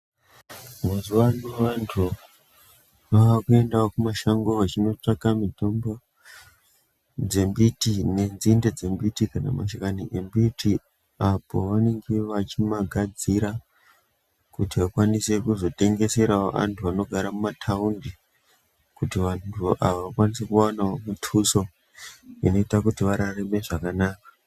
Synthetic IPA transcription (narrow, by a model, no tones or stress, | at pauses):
muzuwanuʋantʰu | ʋaʋakue̞ndaokumaʃaŋɡoat͡ʃino̞t͡ʂakamito̞mbo̞ | d͡ze̞mbitine̞nzinded͡ze̞mbitikana̰ma̰ʃakaniʔembitʰi | apoʋane̞ŋɡe̞ʋat͡ʃimaɡʱad͡ziɾa | kutiʋakwanise̞kuzo̞te̞ŋɡe̞se̞ɾaoʔa̰ntʰuano̞ɡʱaɾamumatʰaundi | kutiʋantʰuʔaʋaʋakwanisekuanaomutʰuso̞ | ino̞itakutiʋaɾareme̞ʐakanaːkḁ